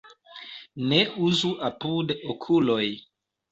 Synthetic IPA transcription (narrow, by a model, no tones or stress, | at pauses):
ne̞uzuapudokʰulo̞j